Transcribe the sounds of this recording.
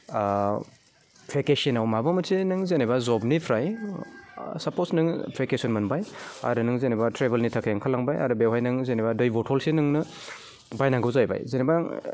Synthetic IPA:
pʰɾekesenawmabamɐsʰinɯŋzenebazɔbnipʰɾaj | sɐposnɯŋpʰɾekesɔnmɐnbaja̰ɾɯnɯŋzenebatʰɾebelnitʰakʰajaŋkʰalaŋbaja̰ɾɯbewɦajnɯŋzenebadɯjbɔtʰɔlsinɯŋnɯ | bajnaŋɡɯwzajba̰jzeneba

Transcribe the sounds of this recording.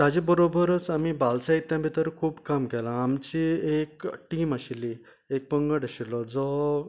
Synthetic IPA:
t̪ad͡ʑibəɾobəɾət͡samibalsaɦit̪ːjabʱit̪əɾkʰuːbkamkɛlãːmt͡ɕiekʈiːmaɕili | ek̚pəŋɡəɽəɕilɔd͡zɔ

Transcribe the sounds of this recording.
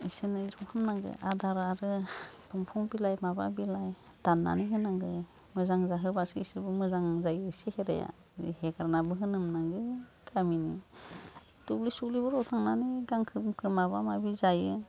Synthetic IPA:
isɯnɯɾɔŋhʰɯmnaŋɡɯ̰ʔadaɾaɾɯpʰɯmpʰɔŋbilajmaba̰bilaj | d̥anːa̰niɦɯnaŋɡɯ | mɯzaŋzaɦɯbasɯisɯbɯmɯzaŋzajɯsiheɾa̰ja̰ | heɡaɾnabɯɦɯnɯmnaŋɡɯkʰamini | tuk̚lisuklibɯɾɔtʰaŋnaniɡaŋkʰɯkʰɯmaβamabizajɯ

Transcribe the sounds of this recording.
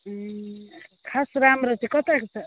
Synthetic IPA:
kʰasɾamɾʌt͡sʰikʌt̪akt͡sʰʌ

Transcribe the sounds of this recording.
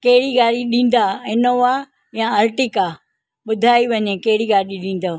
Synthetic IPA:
kɐɦɪɽiɡaːɾiɗĩːn̆d̪aɪnoʋa | jãɐɾʈɪkaː | ɓʊd̪ʱaːiʋɐɲekɐɦɪɽiɡaːɽiɗĩːn̆d̪o

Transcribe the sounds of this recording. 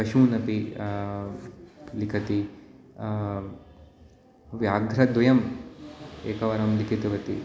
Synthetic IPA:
ɐʃuːnɐpi | likʰɐt̪i | ʋjaːɡʱɾɐd̪ʋɐjɐm | ḛːkɐʋɐɾɐmlikit̪uʋɐt̪i

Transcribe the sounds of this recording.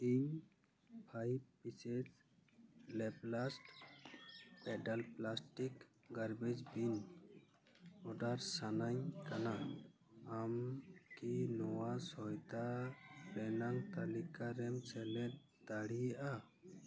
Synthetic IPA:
iɲ | pʰajb̚pised͡ʒ | lɛplasʈ | pɛɖalplasʈik | ɡaɾbed͡ʒbin | ɔɖaɾsanaɲkana | amkinɔwasɔjt̪aɾɛnaŋt̪alikaɾɛmsɛlɛt̪̚ | d̪aɽijaʔa

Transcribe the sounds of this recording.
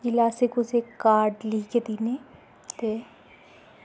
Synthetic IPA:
d͡ʒɪlaːsekʊsekaːɾɖliːked̪ine | t̪e

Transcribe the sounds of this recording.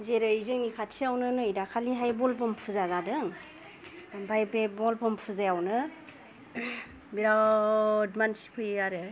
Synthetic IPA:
zeɾɯizɯŋikʰatsʰiawnɯnɯidakʰaliɦajbɔlbɔmpʰɯzazadɯŋ | bɔmpʰajbebɔlpʰɔmpʰɯzajawnɯ | biɾa | dmansi̥pʰɯjaɾɯ

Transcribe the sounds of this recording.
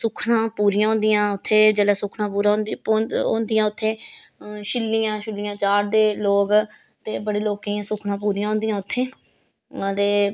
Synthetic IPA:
sʊkʰɳãːpuːɾijãːɦʊ̃ːnd̪ɪjãːʊt̪ʰːeːd͡ʒəlɛːsʊkʰnãːpuːɾaoõːnd̪ɪjãːʊt̪ʰːeː | ʃɪlːijãːʃɪlːijãːt͡ʃaːɽd̪eːloːɡ | t̪eːbəɽeːloːkiːãːsʊkʰɳãːp̬uːɾijãːɦʊ̃nd̪ɪjãːʊt̪ʰːeː | t̪eː

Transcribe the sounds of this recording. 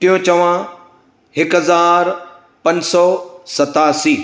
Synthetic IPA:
ʈ̪ijõt͡ɕɐʋã | hɪkɦɐzaːɾ | pɐ̃ɲsɔːsɐt̪aːsiː

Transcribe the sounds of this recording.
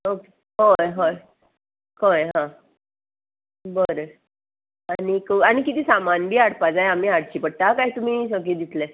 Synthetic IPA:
oke̥ | ɦojɦoj | hojɦã | bəɾə | anikəaɽ̃ikit̪iːsamanbʱiːaɽpad͡zajam̤iːaɽt͡ɕiːpəɽʈ̪akaɦit̪um̤iːsəɡiːd̪it̪le

